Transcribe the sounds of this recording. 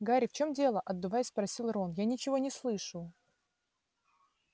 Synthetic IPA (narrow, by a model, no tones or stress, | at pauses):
ɡaɾʲɪft͡ɕo̞mdʲe̞lˠəʔɐd̪ːɨvajɪsʲspɾɐsʲilˠro̞njanʲɪt͡ɕɪvo̞nʲɪslˠɨʂɨ